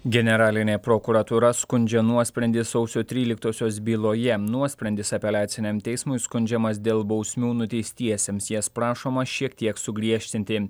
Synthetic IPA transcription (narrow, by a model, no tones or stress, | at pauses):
ɡʲɛnʲɛɾɑːlʲɪnʲeːpɾoːkuɾɐt̪uːɾɐskʊnʲd͡ʒʲɛnuɔsʲpʲɾʲɛnʲd̪ʲɪsɔʊsʲoːt̪ʲɾʲiːlʲɪk̚t̪oːsʲoːsbʲiːlˠoːjɛnuɔsʲpʲɾʲɛnd̪ʲɪsɐpʲɛlʲæːt̪sʲɪnʲɛmt̪ʲɛɪsmʊɪskʊnʲd͡ʒʲɛmɐsd̪ʲeːlˠbɒʊsʲmʲuːnʊt̪ʲɛɪsʲt̪ʲiɛsʲeːmsjɛspɾɑːʃoːmɐʃʲiɛkt̪ʲiɛksʊɡɾʲiɛʃʲt̪ʲɪnʲt̪ʲɪ